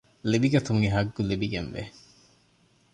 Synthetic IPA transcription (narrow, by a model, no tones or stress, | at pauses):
libiɡɐt̪uŋiɦɐɡːulibiɡenʋḛ